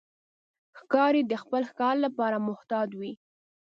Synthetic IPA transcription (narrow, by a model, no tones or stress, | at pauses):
xkɑɾed̪əxpəlxkɑɾlapɑɾamʊht̪ɑd̪wi